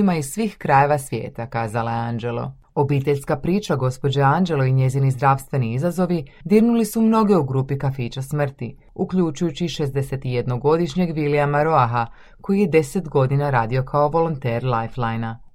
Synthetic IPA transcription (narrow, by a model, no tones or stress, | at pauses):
maissʋiːxkɾaje̞ʋasʋje̞̰ːt̪akaːzalaeand͡ʒe̞lo̞̰ | o̞biːt̪e̞ʎʲskapɾiːt͡ʃaɡo̞spo̞d͡ʑeand͡ʒe̞lˠo̞iɲe̞zinizd̪ɾaʋst̪ʋe̞niizazo̞ʋid̪iɾnulisumno̞ɡe̞uɡɾuːpikafiːt͡ʃasmr̩t̪i | ukʎut͡ʃujut͡ɕiʃe̞zd̪e̞se̞t̪ije̞d̪no̞ɡo̞d̪iʃɲe̞ɡʋiliamaɾo̞axa | ko̞jijed̪e̞set̪ɡo̞d̪inaɾaːd̪io̞kʰaoʋo̞lo̞nt̪eːɾlˠajflˠajna